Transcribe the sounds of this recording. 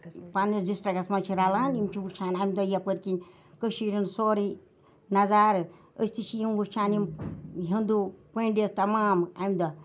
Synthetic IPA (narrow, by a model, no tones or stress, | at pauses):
panisdisʈɾaɡɐsmant͡ʃʰiɾalaːnimt͡ʃʰibukt͡ʃʰaːnamd̪ɔjapəɾkinʲ | kəʃiɾʲinsoːɾi | nɐzaːɾ | əst̪ʰit͡ʃʰijimbukt͡ʃʰaːnimɦind̪upəɳɖest̪ɐmaːmamd̪ɔ